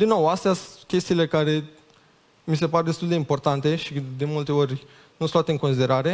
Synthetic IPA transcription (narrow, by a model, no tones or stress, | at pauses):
d̪inːo̞wast̪easkʲe̞st̪iːle̞kaɾe̞ | mis̬e̞paɾed̪est̪uld̪eimpo̞rt̪ant̪e̞ʃid̪e̞mult̪e̞o̞rʲ | nuost̪lat̪eɨŋkos̬id̪e̞ɾaɾe̞